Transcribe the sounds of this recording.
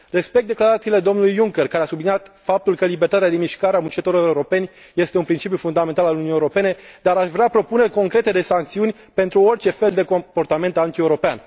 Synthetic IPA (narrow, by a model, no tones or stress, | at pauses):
re̞spek̪̚d̪e̞klaɾat̪siːle̞d̪o̞mnulujːuŋkerkaɾeasublinijat̪fap̚t̪ulkəlibert̪at̪ad̪emiʃkaɾeamunt͡ʃet̪oɾoewɾo̞pe̞nʲ | je̞st̪e̞unpɾint͡ʃip̬ʲjufund̪ame̞nt̪alaluniewuɾo̞pe̞ne̞d̪aɾaʃvɾeapɾo̞pune̞rʲko̞ŋkɾe̞t̪e̞d̪esaŋk̚t̪siunʲ | pe̞nt̪ɾuo̞rʲt͡ʃe̞fe̞ld̪e̞kopo̞rt̪ame̞nt̪ant̪ie̞wuɾo̞pean